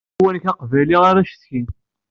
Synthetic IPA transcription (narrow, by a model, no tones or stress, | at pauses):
wənçɑqvæliʁaɾæʃθkin